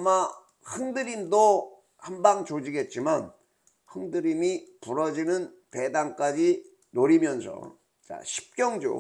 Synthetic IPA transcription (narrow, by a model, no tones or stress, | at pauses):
ama | hɯŋdɯɾimdo | hambaŋt͡ɕod͡ʑiɡe̞t̚t͡ɕ͈iman | hɯŋdɯɾimipuɾʌd͡ʑinɯn | pe̞daŋk͈ad͡ʑi | noɾimjʌnsʰʌ̰ | t͡ɕa̰ɕʰi̥p̚k͈jʌŋd͡ʑo̰